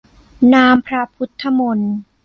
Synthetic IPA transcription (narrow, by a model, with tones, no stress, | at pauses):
naː˧mpʰɾa˧˥pʰu˦˥t̪ʰːa˧mo˧n